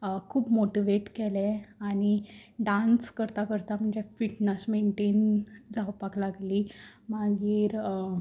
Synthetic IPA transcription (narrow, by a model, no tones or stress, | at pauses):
kʰuːpmoʈiʋeʈkɛlɛ̃aɽ̃iɖãnskəɾt̪akəɾt̪am̤əɳd͡ʑefiʈnəsmeɳʈend͡zaʋpaklaɡlimaɡiːɾ